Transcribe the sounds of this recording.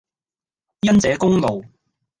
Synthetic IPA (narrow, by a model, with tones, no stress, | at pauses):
jɐ˥nt͡sɛː˨˥kʊ˥ŋlo˨w